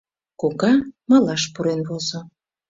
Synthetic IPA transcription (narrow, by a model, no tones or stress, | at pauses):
koɣɑmɑlɑʃpuɾenβozo